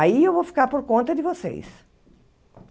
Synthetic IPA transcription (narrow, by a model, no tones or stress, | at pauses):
aiewvowfi̥kaɾpoɾkõnt̪ɐd̪ɪvosḛjs